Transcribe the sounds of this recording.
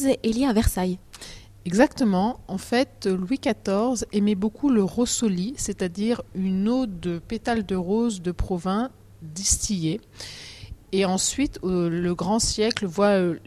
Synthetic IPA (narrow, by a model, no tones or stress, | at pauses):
zeʔeljeavɛʁsaj | ɛɡzakt̪əmɑ̃ɑ̃fɛt̪lwikat̪ɔʁzɛmɛbokʰuləʁosoliset̪ad̪iʁynod̪əpet̪ald̪əʁozd̪əpχɔvɛ̃ | d̪ist̪ʰije | eɑ̃sɥit̪ləɡʁɑ̃sjɛklvwaø